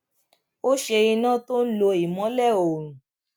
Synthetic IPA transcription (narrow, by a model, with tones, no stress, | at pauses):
o˦ʃe˧i˧nã˦˨to˦n̩˦lo˧i˨mɔ̃˨˦lɛ˦˨o˨ɾũ˨